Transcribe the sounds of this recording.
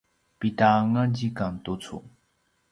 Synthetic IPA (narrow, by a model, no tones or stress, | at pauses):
pit̪aŋand͡ʑikaŋt̪ot͡sʰo̰